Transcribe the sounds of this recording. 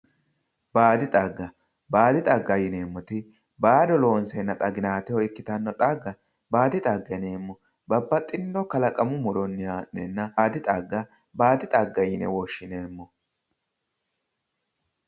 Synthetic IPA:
baːd̪ɪt̪ʼaɡːɐ | baːd̪ɪt̪ʼɐɡːɐjɪneːmːɔt̪ɪ | baːd̪ɔlo̞ːnsɛnːɐt̪ʼɐɡɪnaːt̪ɛhɔɪkːɪt̪ɐnːɔᶑaɡːɐ | baːd̪ɪt̪ʼaɡːɐneːmːɔ | bɐbːɐt̪ʼɪnːdɔkɐlɐkʼɐmʊmɔd̪ɔnːɪaːnːɛnːɐːd̪ɪt̪ʼɐɡːɐ | baːd̪ɪt̪ʼɐɡːɐjɪnɛ̰wɔʃːɪneːmːɔ

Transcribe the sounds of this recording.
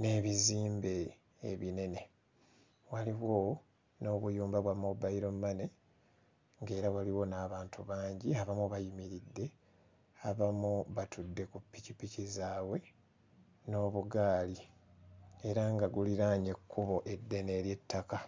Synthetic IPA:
ne̞ːβiziːmbe̞ | ḛβine̞ne̞ | waliβwo̞ | no̞ːβujuːmbaβwamobaiɾo̞mmːane̞ | ŋɡe̞ːɾawaliwo̞naːβaːntuβaːɲɟiaβamuβajimiɾidːe̞ | aβamuβatudːe̞kupːicipːicizaːwe̞ | no̞ːβuɡaːli | e̞ɾaŋɡaɡuliɾaɲekːuβo̞ʔe̞dːe̞ne̞ːɾje̞tːaka

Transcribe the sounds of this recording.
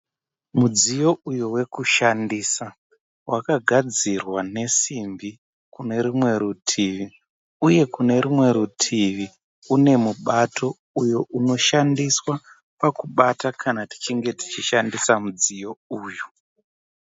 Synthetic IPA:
mud͡zijo̞ujuwe̞kuʃandiːsa | wʔakaɡʱad͡zirwane̞simbi | kune̞ɾumwe̞ɾutʰiʋi | uje̞kune̞rumwe̞ɾutʰiʋi | une̞muɓatʰo̞ | ujoʔuno̞ʃandiswa | pakuɓatakʰanati̥t͡ʃiŋɡe̞ti̥t͡ʃiʃandisamud͡zijo̞uːju

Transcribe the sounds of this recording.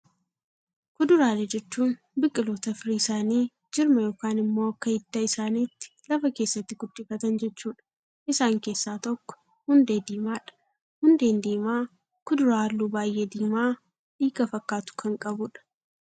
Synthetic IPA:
kʊd̪ʊɾaːlɛd͡ʒɛt͡ʃːuːn | bɪkʼːɪlo̞ːt̪ɐfɪɾisaːniː | d͡ʒɪɾmɐjo̞ːkaːnɪmːo̞ːɐkːɐhɪd̪̥ːaɪsaːniːt̪ːɪ̥lɐfɐke̞ːsːɐt̪ːɪɡʊd̪ːɪfɐt̪ɐnd͡ʒɛt͡ʃːuːᶑɐ̥ | ʔɪsaːŋke̞ːsːaːt̪ɔkːɔ̥ | hʊnd̪eːd̪iːmaːᶑɐ̥ | hʊnd̪e̞ːnd̪iːmaː | kʊd̪ʊɾaːlːuːbaːjʔeːd̪iːmaː | ᶑiːɡɐfɐkːaːt̪ʊ̥kʰɐŋkʼɐbʊᶑɐ̥

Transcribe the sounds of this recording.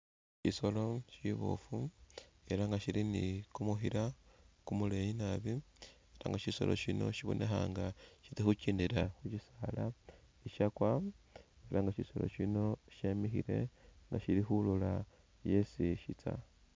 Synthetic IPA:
ʃiso̞lo̞ʃiβo̰fu | e̞ɾaŋɡaʃiɾinikumuxiɾakumulejinaβi | eɾa̰ŋɡaʃiso̞̰lo̞̰ʃino̞̰ʃiβonʔexa̰ːŋɡaʃitixuciːndiɾaxut͡ʃisala | iʃakwa | eɾʔaŋɡaʃiso̞lo̞̰ʃino̞ʃemixḭɾe̞̰ŋɡaʃiɾixulola | jesiʃit͡sa̰

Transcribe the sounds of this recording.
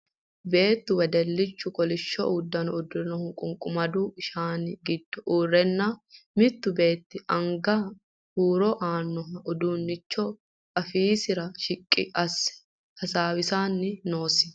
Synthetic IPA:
be̞ːt̪ːʊwɛd̪ɛlːɪt͡ʃːʊkʼɔlɪʃːɔ̰ʔuːd̪ːɐnɔʊd̪ɔnɔhʊkʼʊŋkʼʊmɐd̪uːɪʃaːnɪɡɪd̪̥ːɔʔuːrːɛnːamɪt̪ːʊbe̞ːt̪ːɪʔɐŋɡaː | huːɾɔʔaːnːɔɦɐɔd̪uːnːɪt͡ʃːɔ | ɐfiːsɪɾɐʃɪkʼːɪ̰ʔɐs | hɐsaːwɪsaːnːɪno̞ːsɪ̥

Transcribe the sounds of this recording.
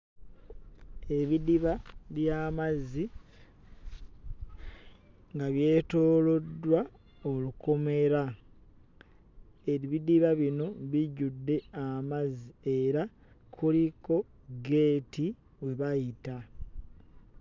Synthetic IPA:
e̞βidiβaβjaːmazi | ŋɡaβje̞ːtoːlo̞dːwa | oluko̞me̞ɾa | eβidiβaβino̞βiɟudːe̞amazieɾa | kʰuliko̞ | ɡe̞ːti | we̞βajita

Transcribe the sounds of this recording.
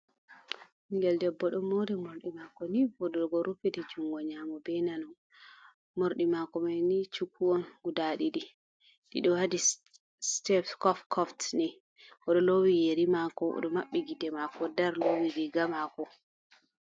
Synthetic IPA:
iŋɡɛldɛbːɔɗɔmmodɛmoɾɗimakɔnibɔdɔɡɔɾupedid͡ʒuŋɡɔɲamɔbɛnanɔn | moɾɗimakɔmanit͡ʃukʰːuɔnɡudaɗiɗi | ɗḭɗɔwadi | stɛfkɔfkʰɔftni | ʔɔɗɔlowijeɾimakɔɔ̰ɗɔmaɓːiɡidɛmakɔdaɾlowidiɡamakɔ

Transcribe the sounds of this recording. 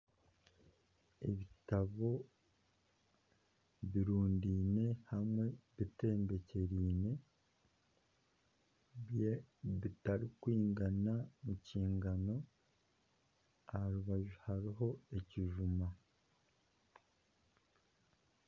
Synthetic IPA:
eβitaβo̞ | βiɾuːndiːne̞hamŋe̞βite̞ːmbe̞ce̞ɾiːne̞ | βjeβitaɾikwiːŋɡanamuciːŋɡano̞ | ahɾuβaʒuhaɾiɦo̞eciʒuma

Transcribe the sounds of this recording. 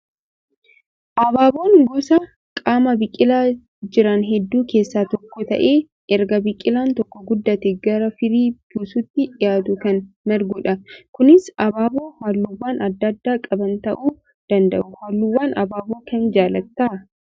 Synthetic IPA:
ʔɐbaːbo̞ːŋɡʊsɐ | kʼaːmɐbɪkʼːɪlaː | d͡ʒɪɾɐnɦɛd̪ːuːke̞ːsːaːt̪ɔkːɔt̪ɐ̰ʔe̞ː | ʔɛɾɡɐbɪkʼːɪlaːnt̪ɔkːɔɡʊd̪ːɐt̪ɛɡɐɾɐfɪɾiːb̥uːsut̪ːɪᶑɪjaːt̪ʊkɐn | mɛɾɡuːᶑɐkʊnɪsɐbaːbo̞ːhaːlːuwːaːnɐd̪ːɐd̪ːaːkʼɐbɐnt̪ɐʔuː | d̪̥ɐnd̪ɐ̰ʔʊhaːlːuwːaːnɐbaːboːkɐnd͡ʒaːlɐkt̪ːaː

